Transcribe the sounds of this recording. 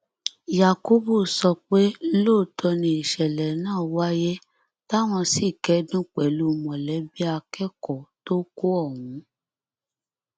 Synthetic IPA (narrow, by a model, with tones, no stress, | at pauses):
ja˨ko˨˦bu˦˨sɔ˧k͡pe˦loː˦˨tʰɔ˧nĩ˧i˨ʃɛ˨lɛ˨nãː˦˨wa˦je˦ | ta˦w̃ɔ̃˧si˦˨kɛ˨˦dũ˦k͡pɛ˨lu˨˦mɔ̃˨lɛ˨˦bi˦a˧kɛ˦kɔ˨to˦ko˦ɔ˦˨w̃ũ˨˦